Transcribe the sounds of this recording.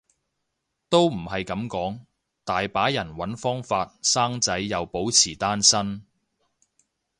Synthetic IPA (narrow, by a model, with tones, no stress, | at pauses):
t̪o˥wm̩˨˩hɐ˨jkɐ˨˥mkɔː˨˥ŋ | t̪aː˨jpaː˨˥jɐ˨˩nwɐ˨˥nfɔː˥ŋfaː˧t̚saː˥ŋt͡sɐ˨˥jːɐ˨wpo˨˥wt͡sʰiː˨˩t̪aː˥nsɐ˥n